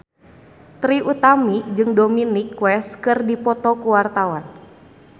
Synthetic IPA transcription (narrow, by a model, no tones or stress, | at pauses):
t̪ɾiʔut̪amid͡ʒɨŋdominikːwɛskɨrdipɔt̪ɔkuwart̪awan